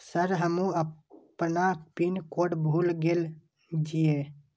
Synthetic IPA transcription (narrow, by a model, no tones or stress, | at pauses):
səɾɦəmũəpnapinkoːɽbʱuːlɡel | d͡ʒije